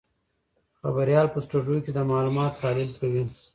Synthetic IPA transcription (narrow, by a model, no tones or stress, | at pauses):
xabaɾjɑlpəsʈuɖjuked̪əmɑlumɑt̪xɑːlɪlkawi